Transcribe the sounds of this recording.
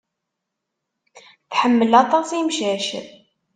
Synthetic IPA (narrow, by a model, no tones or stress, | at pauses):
θħəmːəlɑt̪ˤɑsimʃæʃð